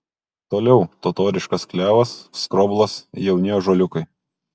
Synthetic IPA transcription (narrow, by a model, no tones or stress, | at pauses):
t̪oːlʲɛʊt̪ot̪oːɾʲɪʃkɐsklʲæːʋɐsskɾɔblˠɐsjɛʊnʲejoʒoːlʲʊkɐɪ